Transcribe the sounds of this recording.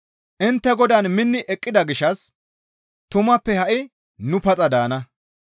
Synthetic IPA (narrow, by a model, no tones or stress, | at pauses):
ʔɪnt̪ːɛɡɔd̪ɐnmɪnːɪʔɛkʼːɪd̪ɐɡɪʃːɐs | t̪ʊmɐpːɛhɐʔɪ | nʊpɐt͡sʼɐd̪aːnɐ